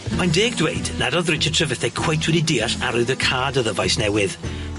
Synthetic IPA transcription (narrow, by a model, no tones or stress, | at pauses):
majndeːɡ̚dwejdnadɔðrɪt͡ʃʰətʰrəvəθɛkʰw̥ejtʰwɛdidiːaɬaɾʊðəkʰaːdəðəvajsnɛwɪð